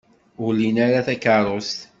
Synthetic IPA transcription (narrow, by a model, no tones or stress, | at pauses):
ʊlinaɾaθækəɾˤost̪